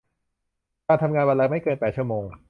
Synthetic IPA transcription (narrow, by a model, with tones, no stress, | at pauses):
kaː˧nt̪ʰa˧mŋaː˧nwa˧nla˦˥˩ma˥˩jkɤː˧npɛː˨˩t̪̚t͡ɕʰu˥˩ɐmoː˧ŋ